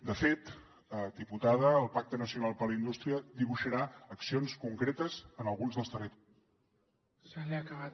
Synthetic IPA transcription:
d̪əfet̪ | əd̪iput̪aðəːlˠpak̚t̪ənəsiunalˠpələind̪ust̪ɾiəd̪iβ̞uʃəɾaəksionskuŋkɾet̪əzənəlˠɣunzðəlˠst̪ərit̪ | saleakəβa

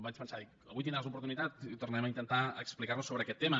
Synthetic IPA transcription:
bat͡ʃpənsaikəβujt̪ind̪ɾazupuɾt̪unit̪at̪it̪urnɛməint̪ənt̪aəksplikaɾnusoβɾəːkɛt̪ːemə

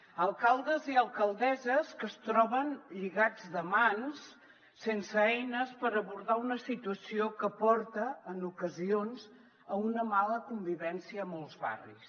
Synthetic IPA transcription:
əlˠkalˠd̪əziəlˠkəlˠd̪ɛzəskəst̪ɾɔβənʎiɣad͡zd̪əmans | sensəɛjnəspəɾəβuɾðaunəsit̪uəsiokəpɔɾt̪əːnukəzionz | əunəmaləkumbiβɛnsiəːmɔlˠzβa̰rḭs

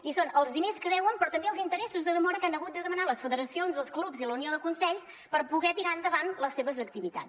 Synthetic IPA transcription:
isonəlˠzðineskəðɛwəmpɾɔt̪əmbeəlˠzint̪əɾɛsuzðəðəmɔɾəkanəɣut̪̚d̪əðəmənaləsfəðəɾəsionzðəlˠsklupziləunioðəkunsɛʎs | pəɾpuɣɛt̪iɾaənd̪əβanləseβəzək̚t̪iβit̪a̰s

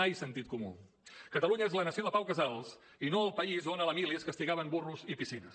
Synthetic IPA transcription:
ajsənt̪it̪kumṵ | kət̪əluɲəezlənəsioðəpawkəzalˠs | inoəlˠpəizonələmiliəskəst̪iɣaβəmburuzipisinə̰s

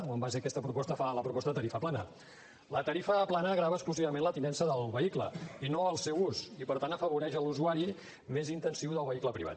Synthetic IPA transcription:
wambas̬eəkɛst̪əpɾupɔst̪əfaləpɾupɔst̪əðət̪əɾifəplanə̰ | lət̪əɾifəːplanəːɣɾaβəskluziβləmẽnlət̪inɛnsəðəlˠβəiklə̰inoəlˠsɛwusipəɾt̪ant̪əfəβuɾɛʃəluzuaɾi | mezint̪ənsiwðəlˠβəikləpɾḭβa̰t̪

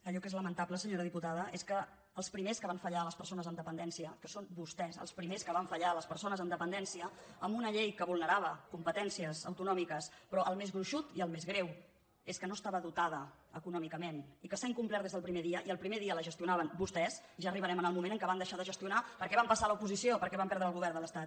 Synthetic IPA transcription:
əʎɔkezləmənt̪abləsəɲoɾəðiput̪aðəʔeskəː | lˠspɾimeskəβaɱfəʎaləspəɾsonəzənd̪əpənd̪ɛnsiəkəsonbust̪ɛsə̰lˠspɾimeskəβaɱfəʎaləspəɾsonəzənd̪əpənd̪ɛnsiəəmbunəʎejkəβulˠnəɾaβ̞əkumpət̪ɛnsiəzə̰wt̪unɔmikəspɾɔʔəlˠmezɣɾuʃut̪iəlˠmezɣɾew | eskənost̪aβəðut̪aðə | əkunɔmikəmenikəsaiŋkumplɛɾt̪ezðəlˠpɾimeðiəʔiəlˠpɾimeðiələʒəst̪iunaβənbust̪ɛzʒaːriβ̞əɾɛmənəlˠmumẽnəŋkəβand̪əʃaðəʒəst̪iunapəɾkɛβampəsaləupuzisiopəɾkɛβampɛɾðɾəːlˠɣuβɛrnd̪ələst̪at̪̚

